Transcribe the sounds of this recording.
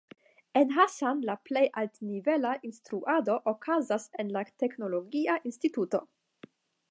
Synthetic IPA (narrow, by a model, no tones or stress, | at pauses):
e̞nɦasanlaple̞jʔaltnive̞laʔinstɾuʔado̞ʔokazase̞nlate̞kno̞lo̞ɡiaʔinstituto̞̰